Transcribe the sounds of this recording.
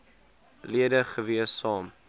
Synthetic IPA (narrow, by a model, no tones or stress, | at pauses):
liədəχəviəsːɑːm